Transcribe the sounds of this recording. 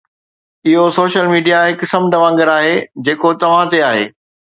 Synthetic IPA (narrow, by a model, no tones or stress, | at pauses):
ɪɦosoːʃəlmiːɖijaɦɪkʊ̆sɐmɖɐʋãːŋɡəɾaːɦed͡ʑeːkot̪ɐʋ̤ãt̪eaːɦḛː